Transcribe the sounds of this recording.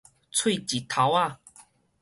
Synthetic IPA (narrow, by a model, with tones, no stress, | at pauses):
t͡sʰwi˥˧t͡ɕi˨˩t̪ʰa˨˦wa˥˧